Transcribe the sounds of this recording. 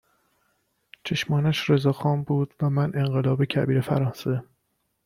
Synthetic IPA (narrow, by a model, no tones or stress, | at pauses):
t͡ʃʰe̞ʃmɒːnæʃɾe̞zɒːxɒːmbuːd̪̥væmænʔe̞ŋɢelɒːbecʰæbiːɾefæ̰ɾɒːnse̞